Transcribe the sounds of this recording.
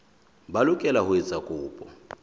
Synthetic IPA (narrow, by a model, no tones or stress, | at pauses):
balʊkʼɛlahʊɛt͡sʼakʼʊːpʼɔ